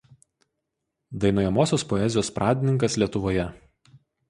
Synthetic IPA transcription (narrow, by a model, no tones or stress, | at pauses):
d̪ɐɪnoːjɛmoːsʲoːspɔɛzʲɪjoːspɾʔɑːd̪ʲɪnʲɪŋkɐslʲiɛt̪ʊʋoːjɛ